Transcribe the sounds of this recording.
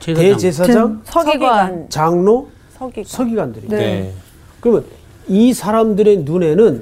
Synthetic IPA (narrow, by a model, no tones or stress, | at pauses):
te̞d͡ʑe̞s̬ʰad͡ʑaŋ | t͡ɕaŋno | sʰʌɡiɡwandɯɾi | kɯɾʌmjʌn | isʰaɾamdɯɾe̞nune̞nɯn